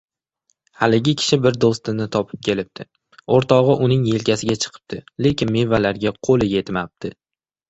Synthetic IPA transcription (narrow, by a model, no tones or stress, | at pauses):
halɪɡʲɪkʲʰɪ̥ʃɪbɪɾd̪ost̪ɪnɪt̪ʰɒpʰɪ̥p̚kʲʰe̞lɪp̚t̪ʰɪ | oɾt̪ʰɒʁɨʔʊnɪŋje̞lkʲasɪɡʲat͡ʃʰɨ̥qʰɨ̥p̚t̪ʰɪle̞kʲɪnme̞valaɾɡʲaqʰolɪje̞t̪map̚t̪ʰɪ